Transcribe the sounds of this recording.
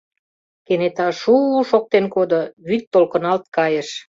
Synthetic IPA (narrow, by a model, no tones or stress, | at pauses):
kenet̪ɑʃuʃok̚t̪enkod̪ŏβyt̪ːolkə̆nɑlt̪̚kɑjə̆ʃ